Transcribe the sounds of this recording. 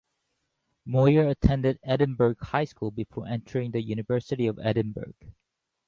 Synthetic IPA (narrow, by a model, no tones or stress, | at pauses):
mɔə˞ətʰɛ̃ndɨdɛd̃ⁿnbə˞ɡ̥haɪskulˠbɨfɔɹʔɛ̃ntʰə˞ɪ̃ŋðɨjʉnɨvɜ˞sɨɾiʌvɛ̰ɾ̃ⁿnbə̰˞ɡ̥